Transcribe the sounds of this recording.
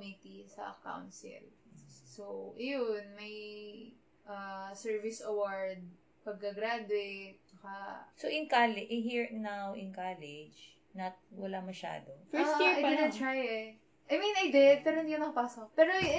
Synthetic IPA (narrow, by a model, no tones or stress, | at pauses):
mit̪isɐ̰ʔɐ̰ka̰wnsɪ̰lsoʔɐjonmɐj | ʔɐsɛɹvɪsɐwaɹd̪̚ | pɐɡ̚kɐɡɾad̪ʊejt̪̚t͡ʃɐkɐsoʔɪŋkalɪʔɪɦiɹnawɪnkalɛd͡ʒ | nɐt̪̚wɐlamɐʃa̰ːd̪ofɛsiajdɪd̪ɪt̪ɹajɛ | ʔɐjminajd̪ɪd̪̚pɛːɾohɪnd̪ikɐnɐkɐpaːsokpɛɾo